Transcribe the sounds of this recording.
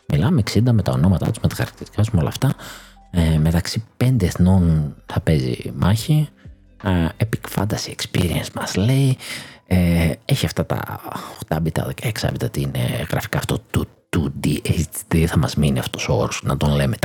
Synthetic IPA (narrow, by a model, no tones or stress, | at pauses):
milɐmeksind̪ɐme̞t̪ɐo̞no̞mɐt̪ɐ̰t̪uzme̞t̪ɐxɐɾɐkt̪iɾt̪i̥kɐt̪u̥zmeo̞lɐ̰ft̪ɐ | eme̞t̪ɐksipe̞nd̪eːθno̞nθɐpe̞zḭmɐçi | epi̥kfɐ̰nd̪ɐsiekspḭɾiensmɐzle̞ieeçiɐft̪ɐt̪ɐ̰xt̪ɐbit̪ɐ̰ðekeksɐ̰vit̪ot̪iinḛɣɾɐ̰fi̥kɐːft̪o̞t̪u | t̪ud̪iet̪iðiθɐmɐzminiɐft̪o̞sooɾosnɐt̪o̞nlejmet̪